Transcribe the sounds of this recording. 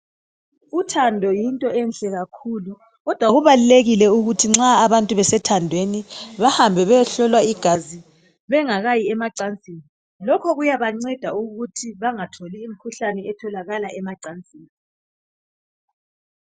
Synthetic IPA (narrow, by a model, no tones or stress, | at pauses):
utʰandʱɔjintʼɔʔɛnɬɛɣakʰulu | ɣɔd̥ʱwaɣuβaluleɣilɛuɣutʰiŋ͡ǁaːβantʼuβɛsɛtʰandʱweniβahambʱɛβɛɬɔlwaiɡ̥ʱazi | βɛŋaɣajiɛmaǀant͡sʼiːni | lɔkʰɔɣujaβaŋ͡ǀɛd̥ʱauɣutʰiβaŋatʰoliːm̩kʰuɬanɛɛtʰɔlaɣalaʔɛmaǀant͡sʼiːni